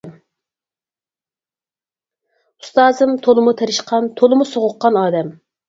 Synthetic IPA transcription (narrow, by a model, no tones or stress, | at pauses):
m | ust̪ɑːzɨmt̪ʰolˠɨmut̪ʰeɾɪʃqʰɑnt̪ʰolˠɨmusoʁʊqːɑnɑːd̪ɛm